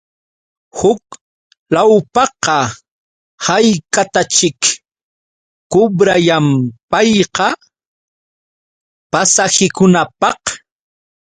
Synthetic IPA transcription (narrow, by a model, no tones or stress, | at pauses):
hʊk | lawpɑqɑ | hajkat̪at͡ʃɪk | ʊbɾajampɑjqɑ | pasahɪkʊnapɑq